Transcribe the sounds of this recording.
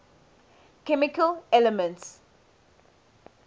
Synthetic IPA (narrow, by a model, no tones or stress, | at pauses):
kɛmɪkəlɛləmə̃nts